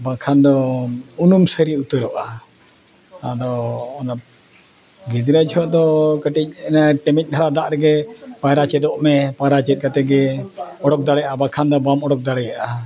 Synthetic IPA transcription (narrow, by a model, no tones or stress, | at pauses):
bakʰand̪ɔunumsəɾiut̪əɾɔʔa | ad̪ɔːna | ɡid̪ɾad͡ʒɔʔd̪ɔkəʈic̚ɛnaʈəmic̚ˀd̪ʱaɾad̪aʔɾɛɡɛpajɾat͡ʃɛd̪ɔʔmɛpajɾat͡ʃɛt̪̚kat̪ɛɡɛɔɽɔk̚d̪aɽɛjaʔabakʰand̪ɔbamɔɽɔk̚d̪aɽɛjaʔa